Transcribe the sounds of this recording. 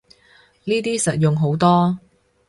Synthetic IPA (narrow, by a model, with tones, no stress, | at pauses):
niː˥t̪iː˥sɐ˨t̚jʊ˨ŋɦo˨˥wt̪ɔː˥